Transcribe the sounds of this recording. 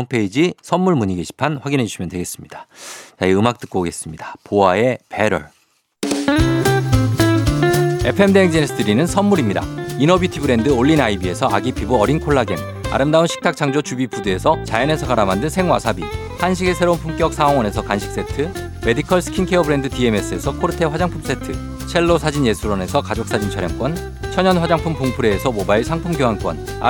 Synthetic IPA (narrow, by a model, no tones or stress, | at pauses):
mpʰe̞id͡ʑisʰʌnːuɭmuɲiɡeɕʰi̥pʰanɸwaɡinɦe̞d͡ʑuɕʰimʌntwe̞ɡes͈ɯmɲid̥ḁt͡ɕaiɯmak̚t͈ɯk͈oɡe̞s͈ɯmɲidapoae̞pe̞ɾʌ̰ɭ | e̞pʰe̞mdeŋd͡ʑensʰɯdɯɾinɯnsʰʌnmuɾimɲida̰inʌbitʰibɯɾe̞ndɯoɭːinaibie̞sʰʌaɡipʰibuʌɾinkʰoɭːaɡe̞̰m | a̰ɾɯmdaunɕʰi̥k̚tʰak̚t͡ɕ͈ʰaŋd͡ʑot͡ɕubipudee̞sʰʌt͡ɕajʌne̞sʰʌkaɾamandɯnsʰe̞ŋwa̰sʰabi | hanɕ̬ʰiɡesʰe̞ɾounpʰumk͈jʌk̚s͈ʰaɦoŋwʌne̞sʰʌkanɕʰi̥k̚s͈e̞tʰɯ | me̞dikʰʌɭsʰɯ̥kʰinkʰe̞ʌbɯɾe̞ndɯtie̞me̞s͈ɯe̞sʰʌkʰoɾɯtʰe̞ɸwad͡ʑaŋpʰums͈e̞tʰɯ | t͡ɕʰe̞ɭːosʰad͡ʑinje̞sʰuɾʌne̞sʰʌkad͡ʑok̚s͈ad͡ʑint͡ɕʰaɾjʌŋk͈wʌn | t͡ɕʰʌɲʌnɸad͡ʑaŋpʰumpoŋpʰuɾe̞ːsʰʌmobaiɭsʰaŋpʰumɡjoɦank͈wʌ̰n̰